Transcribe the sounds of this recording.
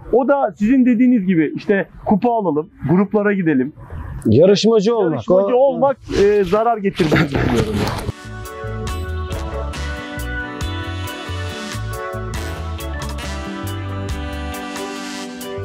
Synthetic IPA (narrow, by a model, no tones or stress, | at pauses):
o̞d̪asizind̪e̞d̪iːnizɟibɪiʃt̪ʰɛkʰupaːlˠalˠɯmɡuɾuplˠaɾaɟid̪e̞lʲimjaɾɯʃmad͡ʒɯolˠmaʃad͡ʒɯolˠmak̚ɯzaɾaɾɟe̞t̪ʰiɾd̪inizbilʲijoɾuma